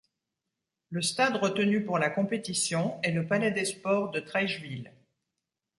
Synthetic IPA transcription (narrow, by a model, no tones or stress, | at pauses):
ləst̪ad̪ʁət̪ənypuʁlakɔ̃pet̪isjɔ̃ɛləpalɛd̪espɔʁd̪ət̪χɛʒvil